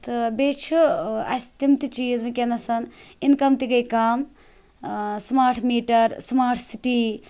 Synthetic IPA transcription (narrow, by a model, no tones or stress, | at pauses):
t̪ɨbeːt͡ʃʰuɐ̰sʲt̪imt̪it͡ʃiːzmikʲenɐsɐninkɐmt̪iɡɐjkaːm | smaːɾʈʰmiːʈɐɾsmaːɾʈʰsiʈiː